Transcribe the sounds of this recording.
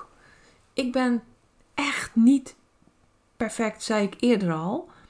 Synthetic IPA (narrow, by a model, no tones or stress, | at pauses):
ʔɪk̚bɪn | ʔɛxtnit | pɛrfɛk̚tsɛjɪkʰɪədərɔlˠ